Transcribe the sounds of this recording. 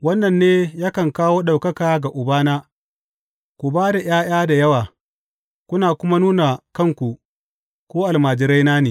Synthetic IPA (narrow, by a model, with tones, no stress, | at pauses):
wɐ˦nːɐ˨nːeː˦ja˦kɐ˨ŋkaː˦woː˦ɗa˨wkɐ˦kaː˨ɡa˨ʔʊ˨baː˦naː˦ | kʷu˨baː˦da˨j̰aː˦j̰aː˦da˨jɐ˦waː˨ | kʷʊ˦naː˨kʷʊ˦ma˦nuː˦na˨kɐ˦˨ŋkʷu˨ʔ | kʷoː˦ʔa˨lmaː˨d͡ʒɪ˨ɾɐ˦jnaː˦neː˨